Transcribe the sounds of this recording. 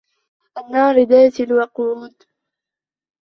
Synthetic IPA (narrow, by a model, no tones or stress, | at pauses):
ʔanːɑːɾɪd̪aːt̪ɪlwɑquːt̪